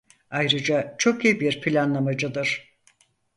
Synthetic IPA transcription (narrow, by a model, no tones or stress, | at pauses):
ajɾɯd͡ʒat͡ʃʰo̞kiːbiɾpʰilʲanlˠamad͡ʒɯd̪ɯɾ̥